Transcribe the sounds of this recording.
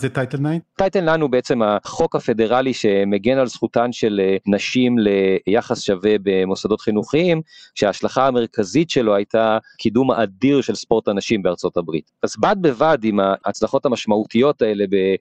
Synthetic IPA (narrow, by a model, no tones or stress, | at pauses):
zet̪ajtelnajt̪ajtelnajnhubeet͡se̞maχo̞khafe̞de̞ʁaliʃe̞meɡe̞nalsχutanʃe̞lenaʃimle̞jaχasʃave̞be̞mo̞sado̞tχinuχiimʃeaːʃlaχaame̞ʁ̞kazitʃe̞loajtakʰidumaʔadiʁʃe̞lspo̞ʁtanaʃimbeaʁt͡so̞tabʁitazbad̚be̞vadimaːt͡slaχo̞tamaʃmautijo̞tae̞le̞be̞